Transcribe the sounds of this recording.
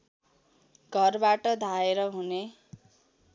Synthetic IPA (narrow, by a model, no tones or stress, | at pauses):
ɡʱʌrbaʈʌd̪ʱaeɾʌɦune